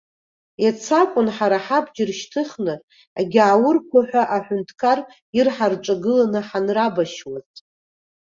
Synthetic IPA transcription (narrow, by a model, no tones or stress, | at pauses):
jat͡sʰakʷʼʊnħaɾaħabd͡ʒɪrʃtʰɨχnɨ | a̰ɡʲaʕːwʊrkʷʰaħʷᶣaʔaħʷᶣʊntʰkʰar | irħarʈ͡ʂʷʼaɡɨlanɨħanrabaʃwaz